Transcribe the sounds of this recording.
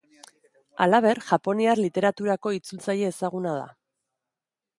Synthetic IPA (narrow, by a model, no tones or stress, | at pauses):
a̰laβ̞e̞ɾʝapo̞niarlit̪e̞ɾat̪uɾako̞it͡sult͡saje̞ːsaɣ̞unað̞a̰